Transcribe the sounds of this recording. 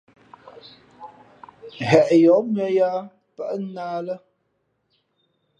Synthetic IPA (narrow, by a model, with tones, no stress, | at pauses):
ɦɛ˨ʔjɔ˨˦mə˦ja˦ | pə˦ʔə˦naː˦lə˦